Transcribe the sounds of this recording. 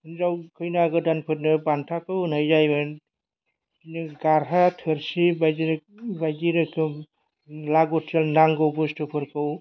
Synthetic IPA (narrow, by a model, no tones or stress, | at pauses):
ɯnzawkʰɯjnaɡɯdanpʰɯɾnɯbantʰakɯwnajzajbɯ | nɯɡaɾɦatʰɯɾsibajiɾbajdiɾɯkʰɯ | laɡɔtʰsalnaŋɡɯwbɯstʰɯpʰɯɾkʰɯw